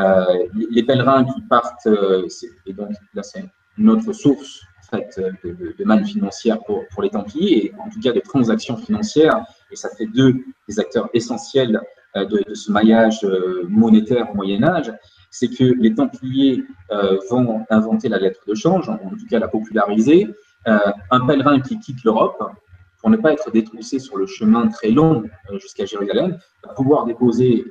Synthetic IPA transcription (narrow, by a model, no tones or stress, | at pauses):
ølelepɛlʁɛ̃kʲʰipaʁt̪øsɛed̪ɔ̃klasɛ | ynot̪χəsuʁsɑ̃fɛt̪ød̪əd̪əd̪əmanfinɑ̃sjɛʁpuʁpuʁlet̪ɑ̃plijeːɑ̃t̪ukad̪ət̪χɑ̃zaksjɔ̃finɑ̃sjɛʁ | esafɛd̪ød̪ezak̚t̪œʁesɑ̃sjɛl | ød̪əd̪əsəmajaʒømɔnet̪ɛʁomwajɛnaʒ | sɛkʰəlet̪ɑ̃plijeøvɔ̃ɛ̃vɑ̃t̪elalɛt̪χəd̪əʃɑ̃ʒɑ̃ɑ̃t̪ukalapɔpylaʁize | øɛ̃pɛlʁɛ̃kʲikʲit̪løʁɔp | puʁnəpaɛt̪χəd̪et̪χusesyʁləʃəmɛ̃t̪χɛlɔ̃ʒyskaʒeʁyzalɛm | vapuvwaʁd̪epoze